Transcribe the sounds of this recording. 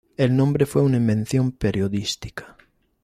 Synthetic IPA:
elnõmbɾefweunaĩmbẽn̟θjõmpeɾjoðist̪i̥kḁ

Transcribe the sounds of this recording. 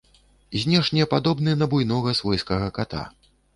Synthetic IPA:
zʲnʲɛʂnʲɛɛpad̪ɔbnɨnɐbujnɔɣɐsvɔjskɐɣɐkat̪a̰

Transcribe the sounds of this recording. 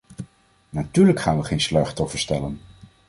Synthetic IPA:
natyːɹləkχaːnʋəχejnslœɥχtɔfəɹstɛlən

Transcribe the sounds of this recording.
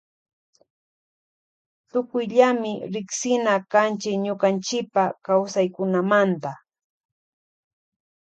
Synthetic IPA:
t̪ʊkʊjʎamɪɾɪksɪnakant͡ʃɪkɲoqɑnt͡ʃɪpakawsajkʊnamant̪a

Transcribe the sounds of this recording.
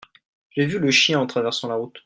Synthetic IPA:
ʒevyləʃjɛ̃ɑ̃t̪χavɛʁsɑ̃laʁut̪

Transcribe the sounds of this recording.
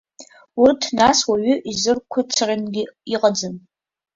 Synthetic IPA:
urtʰnaswaɥʏʔizɨrkʷʰat͡ʃʰarʲanɡʲɪiqʼad͡zɨn

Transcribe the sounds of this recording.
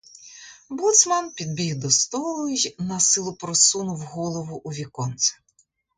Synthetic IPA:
but̪smanpʲid̪̚bʲiwd̪ɔst̪ɔlˠʊjnɐsɪlˠʊpɾɔsunʊwɦɔlˠɔʋʊʔuʋʲikɔnt̪sɐ̥

